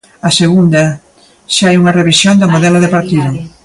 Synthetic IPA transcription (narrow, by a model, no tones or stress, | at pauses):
aseɣund̪a | ʃaajuŋɐreβisjond̪amoðɛlaðepaɾt̪iðʊ